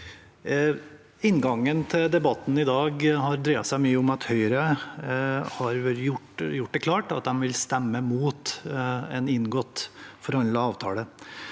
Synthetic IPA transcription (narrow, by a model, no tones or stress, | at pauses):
ɪnːɡɑŋːənt̪ʰɪld̪ɛbɑt̪n̩ɪd̪ɑːɡhɑɾd̪ɾeːɑsæɪmyːəʊmɑt̪hœʏɾə | hɑɾjʊʈjʊʈ̚ːd̪ɛkʰlɑːʈɑ̰t̪̚d̪ɛmʋɪlst̪ɛmːəmuːt̪ɛnɪnɡoːt̪fɔɾhɑnɑɑːʋt̪ʰɑ̰ːlə